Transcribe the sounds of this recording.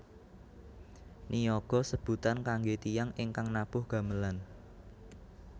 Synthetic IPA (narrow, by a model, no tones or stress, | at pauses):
nijɔɡ̥ɔ̤səb̥ṳt̪ankaŋɡet̪ijaŋɪŋkaŋnapʊhɡ̥ä̤məlan